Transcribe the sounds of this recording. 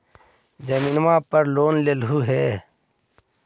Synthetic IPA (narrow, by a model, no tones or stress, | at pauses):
d͡ʒəmiːnmaːpəɾloːnlelɦuɦɛː